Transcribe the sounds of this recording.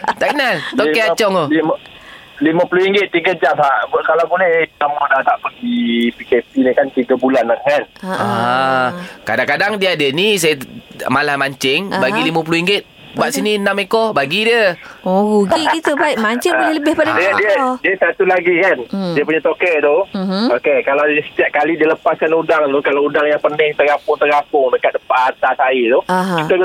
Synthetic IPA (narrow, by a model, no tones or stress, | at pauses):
t̪aʔkənalt̪okeat͡ʃɔŋoli | liməpulohiŋɡɪt̪̚ːiɡəd͡ʒamhaʔbkalawbulɛht̪amɔdat̪aʔpəndipikep̚inikant̪iɡəbulanakana | kadaŋkadaŋdiadənis̬ajəmalahmaɲt͡ʃɪŋbaɡilimap̬ulohiŋɡɪt̪̚ | baʔsininãmekɔhbaɡidiəoɣuɡiɡit̪ubaɪʔmaɲt͡ʃɪŋolɪləbɪhpadadiədiədiəsat̪ulaɡikandiəp̬uɲat̪okəʔt̪ʊmokekalawdiəsə̥t̪iaʔ̚kalidiələpaskanudaŋt̪ʊhkalawudaŋjaŋpənɪŋt̪əɾapʊŋt̪əɾapʊŋdəkat̪̚dəpaaʔat̪asait̪ʊkit̪aɡ